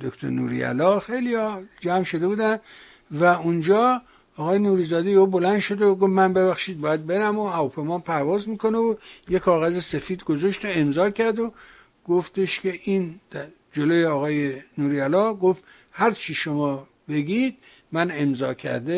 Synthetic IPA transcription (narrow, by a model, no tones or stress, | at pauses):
d̪okt̪ʰo̰nṵːɾḭæ̰lɒːxejliɒd͡ʒæmʃo̞d̪e̞buːd̪æn | væund͡ʒɒː | ɒːɣɒːjenuːɾiːzɒːd̪ejeuːbolænd̪ʃo̞d̪eoɡofmænbe̞βæxʃiːd̪̚bɒːjæd̪̚be̞ɾæmohæɒpʰemɑːnpʰæɾvɒːzmiːkʰo̞neojekʰɒːɣæzese̞fiːd̪ɡozoʃt̪oemzɒːkʲʰæɾd̪o | ɡ̥oft̪eʃkʰe̞ʔiːnd̪̥ | d͡ʒolojeɒːɣɒːjenuːɾiælɒːɡoft̪ | hæɾt͡ʃʰiʃomɒː | be̞ɡʲid̪̚ | mænemzɒːkʰæ̰ɾd̪e